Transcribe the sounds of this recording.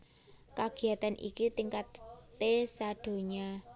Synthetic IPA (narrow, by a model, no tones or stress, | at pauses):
kaɡ̥i̤at̪anʔḭkit̪iŋkat̪ːesaɖ̪̥o̤ɲa